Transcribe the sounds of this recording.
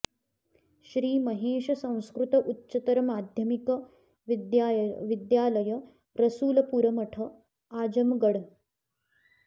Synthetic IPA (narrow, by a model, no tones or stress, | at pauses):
ʃɾiːmɐɦeːʃɐsɐ̃w̃skɾut̪ɐʔutːt͡ʃɐt̪ɐɾɐmaːd̪ʱjɐmikɐ | jʋid̪jaːlɐjɐ | ɾɐsuːlɐpuɾɐmɐʈʰɐ | aːd͡ʒɐmɡɐɽ